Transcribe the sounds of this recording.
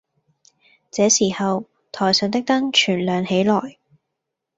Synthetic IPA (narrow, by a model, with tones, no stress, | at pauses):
t͡sɛː˨˥siː˨˩hɐ˨w | t̪ʰɔː˨˩jsœː˨˧nt̪ɪ˥k̚t̪ɐ˥ŋt͡ʃʰyː˨˩nlœː˨ŋhe˨˥jlɔː˨˩j